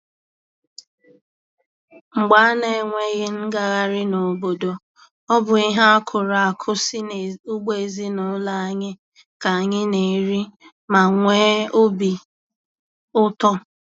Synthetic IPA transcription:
ŋ͡m̩˨ɡ͡ba˨˦ne˨ŋʷe˦ɣɪ˦ŋ̩˦ɡa˨ɣa˦ɾɪ˦no˨bo˨do˨ | ɔ˦bʊ˨i˦ɦa˦a˦kʰʊ˨ɾa˨a˨kʰʊ˦sɪ˦ʊ˦ɡ͡be˨e˨zi˦nʊ˨˦la˦a˦ɲɪ˦ | ka˨a˨ɲɪ˦ne˨ɾi˦ | ma˨ŋʷe˦o˦bi˨ | ʊ˦tɔ˦

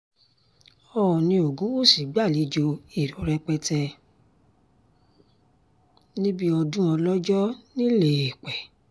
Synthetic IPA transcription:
ɔ˧ɔ˨nĩ˧o˨ɡũ˨˦wo˦˨si˨˦ɡ͡ba˦˨li˨˦d͡ʒo˧i˨ɾɔ˨˦ɾɛ˧k͡pɛ˧tɛ˧ | nĩ˦bi˦ɔ˧dũ˦ɔ̃˧lɔ˦d͡ʒɔ˦nĩ˦le˦˨e˨k͡pɛ˨

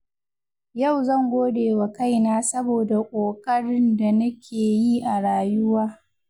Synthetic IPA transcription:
ja˦˨wzɐ˦˨ŋɡʷoː˦deː˨wa˨ka˦˨jnaː˦sɐ˦boː˨da˨kʷʼoː˨kʼɐ˦ɽɪ˦nda˨nɐ˦kʲʰeː˨ji˦ʔa˨ɽaː˨jʊ˦waː˦

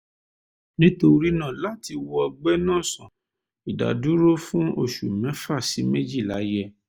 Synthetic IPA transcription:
nĩ˦to˧ɾi˦nã˦˨la˨˦˨ti˧wɔ˧ɔ˧ɡ͡bɛ˦nãː˦˨sã˨ | i˨da̰˨du˨˦ɾo˦fũ˦o˧˨ʃṵ˨mɛ̃˨˦fa˦˨si˨˦me˦d͡ʒi˦˨la̰˨˦jɛ˦

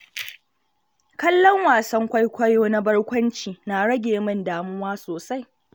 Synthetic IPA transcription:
kɐ˦lːɔ˦ŋwaː˨sɐ˦ŋkʷa˦jkʷɐ˦joː˦na˦bɐ˦ɽkʷɐ˦nt͡ʃiː˨naː˨ɽɐ˦ɡʲeː˨mɐ˦˨ndaː˨mʊ˦waː˦soː˨sa˦j

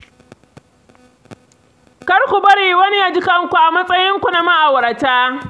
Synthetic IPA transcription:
kɐ˦ɾkʷu˨bɐ˦ɽiː˨wɐ˦ni˦ja˨d͡ʒɪ˦kɐ˦ŋkʷu˨ʔa˨mɐ˦sʼɐ˦jɪ˦ŋkʷu˨na˨ma˦ʔa˨wɾa˨taː˦

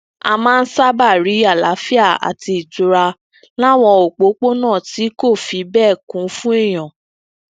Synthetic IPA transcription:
a̰˧mãː˦˧n̩˦sa˦ba˦˨ɾi˨˦a˦˨la˨˦fi˦a˦˨a̰˨ti˧i˨du˧ɾa˧ | la˦w̃ɔ˧o˨k͡po˨˦k͡po˦nãː˦˨ti˨˦ko˦˨fi˨˦bɛː˦˨kũ˨˦fũ˦e˦˨j̃ɔ̃˨

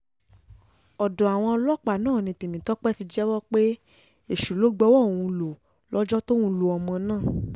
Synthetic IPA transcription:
ɔ˨dɔ˨a˨w̃ɔ̃˧lɔ˦k͡pa˨nãː˦˨nĩ˧˦ti˨mĩ˨˦tɔ˦k͡pɛ˦ti˧d͡ʒɛ˦wɔ˦k͡pe˦ | e˦˨ʃu˨lo˨˦ɡ͡bɔ˧˦wɔ˦˨w̃ũ˧lo˨ | lɔ˦d͡ʒɔ˦to˦wũ˧˦lo˧ɔ˨mɔ̃˧nãː˦˨

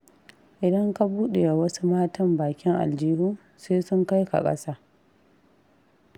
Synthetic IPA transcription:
ʔɪ˨dɐ˦ŋka˦buː˦ɗe˨a˨wɐ˦su˦maː˦tɐ˦mbaː˨kʲɪ˦ŋʔa̰˨ld͡ʒiː˦huː˦ | seː˦sʊ˦ŋka˦jka̰˨kʼɐ̰˦saː˦

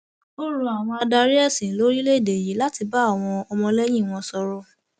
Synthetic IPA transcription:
o˦ɾũ˧a˨w̃ɔ̃˧a˧da˧ɾi˦ɛ˦˨sĩ˨˦lo˨˦ɾi˦le˦˨de˨ji˨˦la˦ti˧ba˦a˦˨w̃ɔ̃˧ɔ˧mɔ̃˧lɛ˦j̃ĩ˦˨w̃ɔ̃˧sɔ˧ɾɔ˧˦

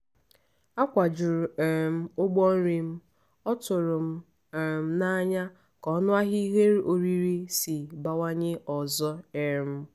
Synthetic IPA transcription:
a˦kʷa˨d͡ʒʊ˨ɾʊ˨ɛ˨m̩˨ʊ˦ɡ͡bɔ˦n̩˦ɾi˨m̩˦ | ɔ˦tʊ˨ɾʊ˨m̩˦˨ | m̩˦na˦ɲa˦ | kɔ˨˦nʊ˦a˦ɦi˦i˦ɦe˦ɾo˨ɾi˦ɾi˦si˨ba˨wa˦ɲɪ˦ʔɔ˨zɔ˦e˨m̩˦

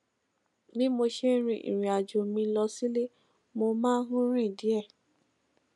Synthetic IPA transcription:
mĩ˦mo˧ʃe˦ɾ̃ĩ˧ʔḭ̃˨ɾ̃ĩ˨a˨d͡ʒo˨mĩ˧lɔ˧si˦le˦ | mo˧mãː˦ɦũ˦ɾ̃ĩ˦˨di˨˦ɛ˦˨

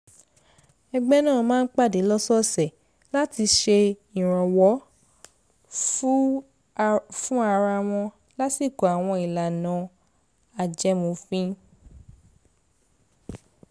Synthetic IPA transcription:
ɛ˧ɡ͡bɛ˦nãː˦˨mãː˦n̩˦k͡pa˦˨de˨˦lɔ˦sɔ˦sɛ˨ | la˦ti˧ʃe˧ | ĩ˨ɾ̃ã˨wɔ˨˦ | fũ˦a˧ɾa˧w̃ɔ̃˧ | la˦si˦˨ko˨a˨w̃ɔ̃˧i˨la˨nã˨˦ | a˨d͡ʒɛ˧˦mõ˧fĩ˦

